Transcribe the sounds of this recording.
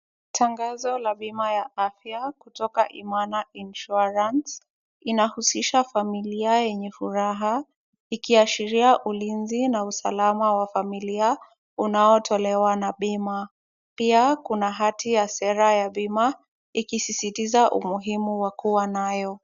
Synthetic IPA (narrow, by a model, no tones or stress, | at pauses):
tʰaŋɡazɔlaɓimajaʔafjakutɔkaʔḭmanaʔinʃuɾans | inahusiʃafamiliajɛɲɛfuɾaɦa | ikiaʃiɾiaʔulinzinausalamawafamilia | unaɔtʰɔlɛwanaɓima | piakunaɦatijasɛɾajaɓima | ikisisitizaʔṵmuɦimuwakuwanajɔ